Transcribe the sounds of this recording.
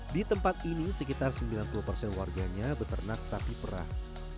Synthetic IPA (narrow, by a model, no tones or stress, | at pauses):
dit̪əmpat̪̚inisəkit̪arsəmbilanpuupərsɛnwarɡaɲabət̪ərnak̚sapipəɾa̰h